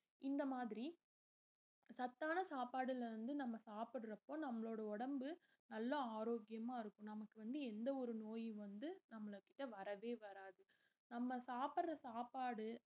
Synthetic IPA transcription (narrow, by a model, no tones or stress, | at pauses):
ʔɪnd̪ɐmaːðɪɾi | sɐt̪ːaːnɐsaːpaːɽɪlɐʋɐnd̪ɯnɐmːɐsaːpɪɽɾɐpːoːnɐmːɐɭoːɽɐɔɽɐmbɯ | nɐlːɐaːɾoːɡɪjɐmaːɪɾɯkːʊ̃nɐmɐkːɯʋɐnd̪ɯɛnd̪ɐɔɾɯnoːjʋɐnd̪ɯnɐmːɐɭɯkːɪ̥ʈːɐʋɐɾɐʋeːʋɐɾaːðɯ | nɐmːɐsaːpɐɽɾɐsaːpaːɽɯ